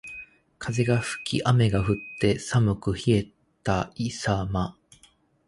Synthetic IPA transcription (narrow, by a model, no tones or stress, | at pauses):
kʰaze̞ɡaɸɯ̟̥kʲʰḭʔame̞ɡaɸɯ̟t̪ːe̞samɯ̟kɯ̟çie̞t̪aisama